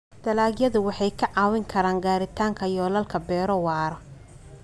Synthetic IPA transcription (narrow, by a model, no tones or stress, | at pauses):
d̪̥ɐlaːɡjɐðʊwɑħɑjkʰɐʕɑːwɪŋkʰɐɾaːŋɡaːɾɪt̪ʰaːŋkʰɐjɔːlɐlkʰɐbɛːɾɔwɑːɾɔ